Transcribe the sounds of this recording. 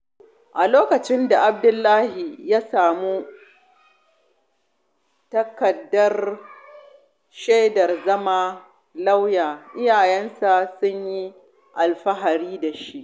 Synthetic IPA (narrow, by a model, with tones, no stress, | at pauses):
ʔa˨loː˦kɐ˨t͡ʃɪ˦nda˨ʔa˨b̚dʊ˦lːaː˦hi˨jaː˦saː˨mu˦ | tɐ˦kɐ˨dːɐ˦r | ʃe˦dɐ˨rzɐ˦maː˦ | la˦wjaː˨ʔɪ˦jaː˨jɛ˦nsa˨sʊ˦ɲji˦ | ʔa˨lɸɐ˦ɦa˨ɽiː˦da˨ʃi˦ʔ